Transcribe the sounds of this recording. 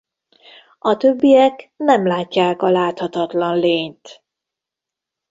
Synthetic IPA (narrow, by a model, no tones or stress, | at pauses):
ɒt̪øbːijɛknɛmlaːcːaːkɒlaːt̪hɒt̪ɒt̪lɒnleːɲt̪